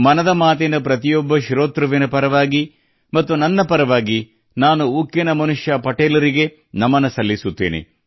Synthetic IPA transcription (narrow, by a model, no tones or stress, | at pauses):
mɐnɐd̪ɐmaːt̪̬enɐpɾɐt̪ijɔbːɐʃiɾoːt̪ɾɐʋinɐpɐɾɐʋaːɡi | mɐt̪ːunɐnːɐpɐɾɐʋaːɡi | naːnuukjenɐmɐnuʂjɐpɐʈeːlɐɾiɡe̞ | nɐmːɐnɐsɐlːisut̪ːḛːnḛ